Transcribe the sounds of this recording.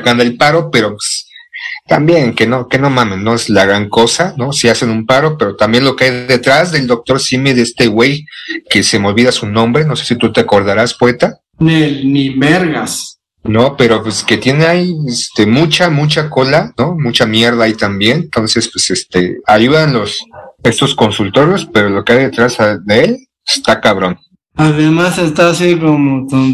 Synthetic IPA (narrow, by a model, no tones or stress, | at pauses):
kand̪aelpaɾo̞pe̞ɾo̞pwe̥s | t̪ambje̞ŋke̞no̞ke̞no̞mãmenːo̞ezlaɣɾaŋko̞sano̞siase̞numpaɾo̞pe̞ɾo̞t̪ambje̞nlo̞keajðe̞t̪ɾazðeld̪o̞k̚t̪o̞ɾsimiðeest̪ewe̞jke̞se̞meo̞lβiðasunõ̞mbɾe̞no̞se̞̥sit̪ut̪eako̞ɾð̞aɾaspoet̪a | nelnimeɾɣas | no̞pe̞ɾo̞pweske̞t̪je̞neajest̪emut͡ʃamut͡ʃako̞lanomut͡ʃamje̞ɾðaait̪ambje̞nnt̪o̞nse̞spwese̞st̪e̞̰aʝuðanlo̞se̞st̪o̞sko̞nsult̪o̞ɾjospe̞ɾo̞lo̞keajðet̪ɾazaðeel | est̪akaβ̞ɾo̞n | aðemasest̪asikomot̪on